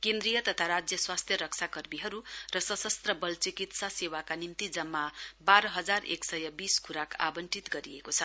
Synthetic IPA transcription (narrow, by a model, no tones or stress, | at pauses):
kend̪ɾijʌt̪ʌt̪ʰaɾad͡zjʌswast̪ʰjʌɾʌk̚t͡sʰakʌrmiɦʌɾurʌsʌsʌst̪rʌbʌlt͡sikit̪sasewakanimt̪id͡zʌmːabaɾʌɦʌd͡zarḛksʌjʌbiskʰuɾakʰa̰bʌnʈit̪ɡʌɾiekot͡sʰʌ